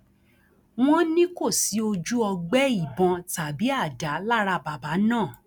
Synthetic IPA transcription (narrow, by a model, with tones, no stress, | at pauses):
w̃ɔ̃˦nĩ˦ko˦˨si˨˦o˧d͡ʒu˦ɔ˧ɡ͡bɛ˦i˦˨bɔ̃˧ta˨bi˨˦a˦˨da˨˦la˦ɾa˧ba˨ba˨˦nãː˦˨